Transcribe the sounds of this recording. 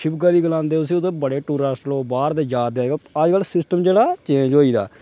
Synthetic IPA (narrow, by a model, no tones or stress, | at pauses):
ʃʰɪbɡaːʋiːɡəlãːnd̪eːʊs̬ĩd̪eːbəɽeːʈuːɾaːsʈloːbaːɾd̪eːd͡ʒaːd̪aɡaaːd͡ʒɡaːlsɪsʈəmd͡ʒeːɽaːt͡ʃẽːɲd͡ʒɦoːiːd̪a̰ː